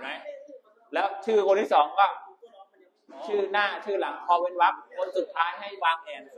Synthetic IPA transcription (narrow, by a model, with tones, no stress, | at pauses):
ma˦˥j | lɛː˦˥wt͡ɕʰɯː˥˩kʰo˧nt̪ʰiː˥˩sɔː˩˦ŋkɔː˥˩ | t͡ɕʰɯː˥˩naː˥˩t͡ɕʰɯː˥˩la˩˦ŋpʰɔː˧we˧nwa˦˥p̚kʰo˧nsu˨˩t̪ʰːaː˦˥jɦa˥˩jwaː˧ŋʔɛː˧n